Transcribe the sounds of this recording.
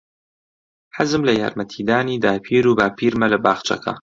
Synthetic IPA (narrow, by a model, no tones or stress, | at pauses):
ħazɨmlɐja̰ːɾmɐt̪ʰiːd̪aːniːd̪aːpʰiːɾuːbaːpʰiːɾmɐlɐbaːxt͡ʃʰɐ̰kʰɐ̰